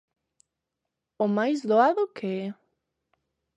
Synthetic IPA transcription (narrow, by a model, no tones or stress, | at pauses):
ʊmajszðoaðʊkeɛ